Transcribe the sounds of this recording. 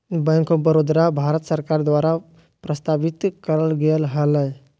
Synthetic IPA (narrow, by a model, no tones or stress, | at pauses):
bəŋkõbəɾod̪ɾabʱaɾət̪səɾkaɾd̪ʋaɾa | pɾəst̪aʋit̪kəɾəlɡelɦələj